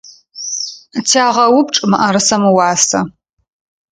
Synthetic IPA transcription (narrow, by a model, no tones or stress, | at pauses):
tʰaːʁɐwʊp̚ʈ͡ʂʼɨmɨʔɐɾɨsɐmɨwɑːsɐ̰